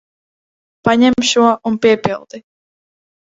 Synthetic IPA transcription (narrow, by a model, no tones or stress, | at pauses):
paɲɛmʃuɔʔunpiɛpilˠd̪̥i